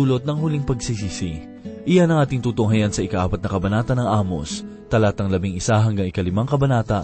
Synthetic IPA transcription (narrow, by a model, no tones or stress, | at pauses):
uːlot̪̚nɐŋhʊliŋpɐɡsisiːsi | ʔɪjanɐŋʔaːt̪ɪŋt̪uːt̪ʊŋɦajansɐʔɪkaʔaːpɐt̪̚nɐkɐbɐnaːt̪ɐnɐŋʔaːmo̰s | t̪ɐlaːt̪ɐŋlɐbiŋɪsaɦɐŋɡaŋɪkɐlɪmaŋkɐbɐnaːt̪ɐ